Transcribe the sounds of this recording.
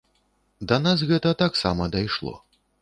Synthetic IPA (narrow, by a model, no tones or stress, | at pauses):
d̪ɐnas̬ɣɛt̪ɐt̪aksa̰mɐd̪ajʂlˠɔ̰